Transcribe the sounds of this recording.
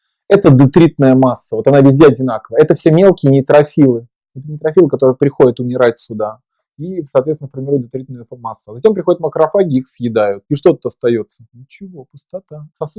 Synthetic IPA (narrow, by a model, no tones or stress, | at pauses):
ɛt̪əd̪ɨt̪ɾʲit̪nəjəmasːəvo̞t̪ɐnavʲɪzʲdʲeɐdʲɪnakəvəjəɛt̪əfsʲemʲe̞lˠkʲɪjənʲɪt̪ɾɐfʲilˠɨ | ɛt̪ənʲɪt̪ɾɐfʲilˠɨkɐt̪o̞ɾɨjpɾʲɪxo̞dʲɪt̪ʊmʲɪɾatʲsʲʊd̪a | isəɐt̪vʲet̪ʲɪnəfərmʲɪɾujt̪d̪ɨt̪ɾʲit̪nʊjmasːʊazɐtʲe̞mpɾʲɪxodɪt̪məkɾɐfaɡʲɪixsjɪd̪ajʊt̪̚iʂt̪o̞t̪ut̪ɐst̪ɐjo̞t̪sːənʲɪt͡ɕɪvo̞pʊst̪ɐt̪asɐsu